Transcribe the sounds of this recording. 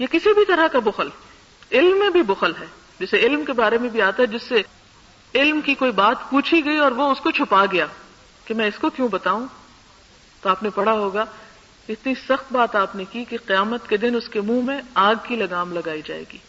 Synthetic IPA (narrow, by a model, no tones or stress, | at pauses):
jekɪsibʱit̪ɐɾakabʊxəl | ɪlmːẽbʱibʊxəlɦɛː | d͡ʒɛseɪlmkebaːɾemẽbʱiaːt̪aɦɛd͡ʒɪsːe | ɪlmkikoːibaːt̪puːt͡ʃʰiɡɐiɔːɾʋoʊskot͡ʃʰʊpaɡɐjaː | kemɛ̃ːɪskokjõbɐt̪aːũ | t̪oaːpnepɐɽaɦoːɡa | ɪt̪nisɐxt̪̚baːt̪aːpnekikeqɪjaːmət̪ked̪ɪnʊskemũːmẽaːɡ̚kilɐɡaːmlɐɡaːid͡ʒa̰ːḛːɡiː